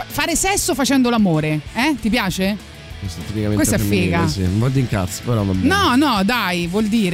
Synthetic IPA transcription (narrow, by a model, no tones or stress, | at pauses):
faːɾesɛsːofat͡ʃɛnd̪olamoːɾeɛt̪ipjaːt͡ʃe | kwest̪at̪ːipikamenkesɛffːeːɡasḭvɔd̪iŋka̰t̪so̥peɾɔvabnnɔnɔd̪ajvwɔld̪iːɾ